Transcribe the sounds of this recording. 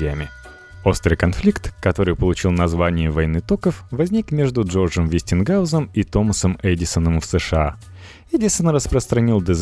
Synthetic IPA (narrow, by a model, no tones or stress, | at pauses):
emʲɪ | o̞st̪ɾɨjkɐnflʲikt̪kɐt̪o̞ɾɨjpəlˠʊt͡ɕilˠnɐzvanʲɪjɪvɐjnɨt̪okəfvɐzʲnʲikmʲe̞ʐd̪ʊʐo̞rʐəmvʲɪsʲtʲɪnɡaʊzəmit̪o̞məsəmɛdʲɪsənəmfsəʂɨa | ɛdʲɪsənrəspɾəst̪ɾɐnʲilˠd̪əz